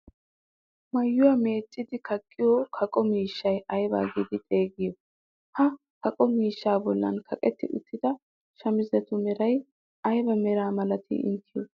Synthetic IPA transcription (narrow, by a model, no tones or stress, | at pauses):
mɐjːʊwɐme̞ːt͡sʼːɪd̪ɪkʰɐkʼːɪjoːkʰɐkʼɔmiːʃːɐjɐjba̰ːɡḭːd̪ɪt̪ʼe̞ːɡɪjɔ | hɐ | kɐkʼɔmiːʃːaːbɔlːɐ̰nkʰɐkʼɛt̪ːɪ̰ʔʊ̰t̪ːɪd̪ɐ | ʃɐmɪzɛt̪ʊmɛɾɐj | ɐjbɐmɛɾaːmɐlɐt̪ʰḭːɪ̰ŋkʰːɪjɔ